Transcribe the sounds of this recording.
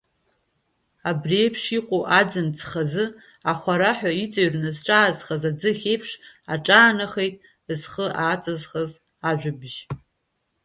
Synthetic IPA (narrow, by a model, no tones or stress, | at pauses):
abrejpʰʂiqʷʼoʔad͡zɨnt͡sʰʼχazɨ | aχʷaɾaħʷᶣait͡sʼaɥrnɨzʈ͡ʂʼaːzχazad͡zɨχʲejpʰʂaʈ͡ʂʼaːnaχe̞jtʼ | zχəʔaːt͡sʼazχaz | aʒᶣʷʊbʒ